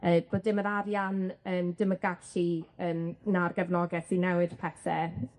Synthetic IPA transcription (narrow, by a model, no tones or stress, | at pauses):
əːb̥oːdɪməɾaɾjanəːmdəməɡḁɬiəːnnarɡɛvnɔɡɛθinɛwɪd̥pʰɛθɛ